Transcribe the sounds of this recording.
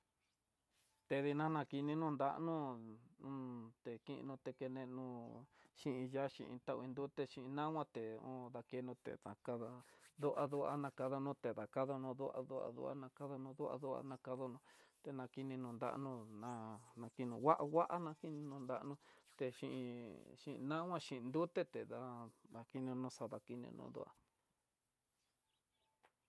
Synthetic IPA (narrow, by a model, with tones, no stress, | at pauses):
t̪e˧ði˧nã˦nã˧ki˧nĩ˧nũ˦˧nd̪a˦ʔnũ˦nũ˧t̪e˨ki˦ʔḭ̃˧nũ˧t̪e˧ke˧nẽ˧nũ˧ʃĩ˦ʔĩ˧ja˦ʃḭ̃˧ʔḭ̃˧t̪a˧ʔi˧nd̪u˦t̪e˧ʃĩ˧ʔnã˦wʷã˦t̪e˨õ̰ː˦ða˧ke˧nũ˧t̪ḛ˨ðã̰˨˧ka˧ða˧ðu˦ʔa˧ðu˦a̰˧˦nã˧ka˧ða˧nũ˦t̪e˨ða˨ka˦ðo˧nũ˧ðu˦a̰˧ðṵ˦a̰˧ðṵ˧˦a̰˦nã˧ka˦ða˧nũ˧ðu˦a̰˧ðu˦a̰˧nã˧ka˧ðo˧nũ˧t̪e˨nã˧ki˧nĩ˧nũ˧nd̪a̰˦ʔnũ˧nã˧nã˧ki˧nũ˧wa˦ʔa˧wa˦ʔa˦nã˧ki˦nĩ˧nũ˧nd̪a˧ʔnũ˧t̪e˧ʃi˧ʔḭ̃˧ʃḭ̃˧nã˦wʷã˦ʃĩ˧nd̪u˦t̪e˦t̪e˨ða˧ða˧ki˦nĩ˧nũ˧sa˧ða˨ki˧nḭ̃˧nṵ̃˧˦ðṵ˦ʔa̰˧